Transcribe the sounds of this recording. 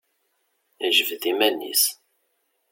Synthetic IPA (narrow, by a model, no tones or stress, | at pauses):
əʒəvðimænːḭs